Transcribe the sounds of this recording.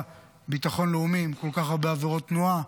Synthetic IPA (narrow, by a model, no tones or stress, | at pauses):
bit̪aχo̞nleumimko̞lkaχaʁbeaveʁot̪ːnua